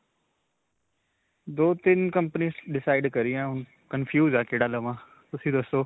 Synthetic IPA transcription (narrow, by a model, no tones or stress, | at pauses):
d̪oːt̪ɪnkɐ̃mpəniːzɖɪsaːɪɖkɐɾiãːʊn | kɐnfjuːzaːkeːɽaːləmãː | t̪ʊsĩd̪ɐsoː